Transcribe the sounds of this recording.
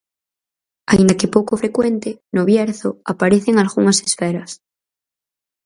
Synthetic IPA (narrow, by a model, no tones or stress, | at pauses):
a̰ind̪akepowkofɾe̞kwent̪enoβjeɾθoapaɾeθeŋalɣuŋase̥sfeɾas